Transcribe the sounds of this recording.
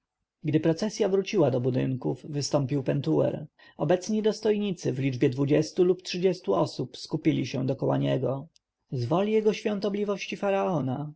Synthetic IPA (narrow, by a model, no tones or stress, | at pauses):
ɡd̪ɘpɾɔt̪sɛsʲjavɾut͡ɕiwad̪ɔbud̪ɘ̰ŋkuvːɘst̪ɔmpʲiwpɛnt̪uwɛ̰ɾ | ɔbɛt̪sɲid̪ɔst̪ɔjɲit̪sɘvlʲid͡ʐbʲjɛd̪vud͡ʑɛst̪uluptʂɘd͡ʑɛst̪uɔsupskupʲilʲiɕɛ̃d̪ɔkɔwa̰ɲɛɡɔ | zvɔlʲijɛɡɔɕfʲjɔ̃nt̪ɔblʲivɔɕt͡ɕifaɾaɔna